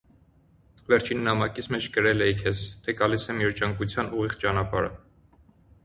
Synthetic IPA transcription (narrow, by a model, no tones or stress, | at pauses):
vɛɾt͡ʃʰinːɑmɑkit͡sʰmɛt͡ʃʰkəɾɛlɛikʰɛst̪ʰɛɡɑlisɛmjɛɾt͡ʃəŋkut͡sʰjɑnuʁiʁt͡ʃɑnɑpɑɾə̰